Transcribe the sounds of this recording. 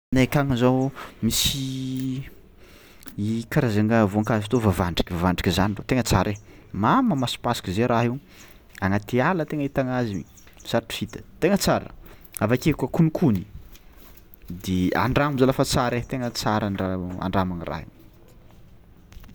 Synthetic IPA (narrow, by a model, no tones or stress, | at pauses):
nekaŋizawmisi | ikaɾazaŋavuaŋkazifit̪ovavaɳɖ͡ʐi̥kʲivavaɳɖ͡ʐikʲizaniɳɖ͡ʐot̪eŋət͡saɾʔe | mamamasi̥pasi̥kizeɾʔaɦi | aŋat̪ialət̪eŋəit̪aŋazimḭ | saɾaʈ͡ʂi̥fit̪ə̥t̪eŋət͡saɾə̰avakekakunikʰuni | d̪ea̰ɳɖ͡ʐaŋumzalafat͡saɾet̪eŋət͡saɾanɖ͡ʐaa̰ɳɖ͡ʐamanirʔa̰ɦḭ